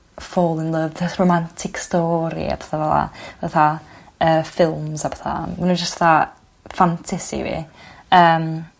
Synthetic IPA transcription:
foːlˠɪnlˠəvðəsrowmantʰɪkstɔːɾḭa̰pʰɛ̥θavɛlˠa̰vaθa | əːfɪlˠmzapʰɛ̥θa̰manuːnd͡ʒəstv̥aθa | fantʰɪsḭvḭəːm

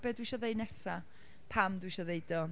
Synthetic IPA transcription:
bɛdwiʃɔðejnɛsa | pʰamdwiʃɔðejdɔ

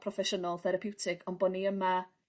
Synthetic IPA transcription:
pʰrɔfɛʃɔnalˠθɛɾapʰɪwtʰɪkʰɔnbɔniəma

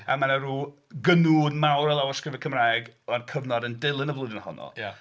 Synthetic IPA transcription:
a̰manaɾuː | ɡənuːdmawɾɛlˠawɔskrɪvɛkʰəmraːjɡɔnkʰəvnɔdəndɪlˠɨnəvlˠʊdənhɔ̰nɔ̰lˠja

